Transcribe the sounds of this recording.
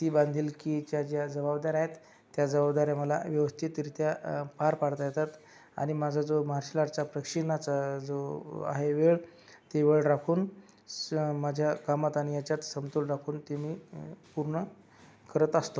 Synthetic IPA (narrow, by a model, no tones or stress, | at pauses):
t̪iːband̪ʱiːlkit͡ɕjad͡ʑjad͡zəbabd̪aɾaɦet̪ː | jad͡zəbabd̪aɾjaməla̰ʋjəʋəst̪ʰit̪ːiɾit̪japaɾpaɽt̪ajet̪at̪ | a̰ɽ̃imad͡zʱad͡zomaɾɕilaɾt͡sapɾəkʂinat͡sad͡zoa̰ɦeʋeɭ | t̪eʋeɭɾakʰuːn | mad͡ʑʱjakamat̪añijat͡ɕjat̪səmt̪ulɾakʰuːnt̪emiːpuɾɳə | kəɾət̪əst̪o